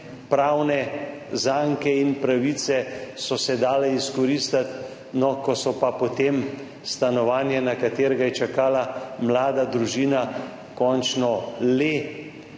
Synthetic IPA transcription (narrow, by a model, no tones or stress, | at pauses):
pɾaːwnɛzaŋkɛinpɾaʋit̪sɛsɔsɛd̪aːlɛiskɔɾist̪at̪ | nɔkɔsɔpapot̪em | st̪anɔʋaːnjɛnakat̪eːɾɛɡajɛt͡ʃakaːlamlaːd̪ad̪ɾuʒiːna | kɔnt͡ʃnɔle